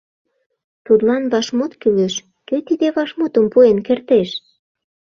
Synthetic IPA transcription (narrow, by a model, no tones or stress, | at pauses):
t̪ut̪lɑnβɑʃmot̪kyleʃ | køt̪id̪eβɑʃmot̪ə̆mpuenkert̪eʃ